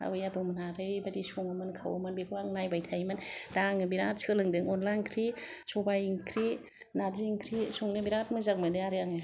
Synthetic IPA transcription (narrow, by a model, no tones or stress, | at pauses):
a̰bɯjabɯmɯnaɾɯjbadisoŋɯmɯnkʰa̰wamɯnbikʰɯwaŋnajbajtʰajmɯnd̥aŋɯbiɾatsɯlɯŋdɯŋɔnlajnkʰɾisɔbajiŋkʰɾi | naɾziŋkʰɾisuŋnɯbiɾatmɯzaŋmɯnɯaɾɯaŋɯ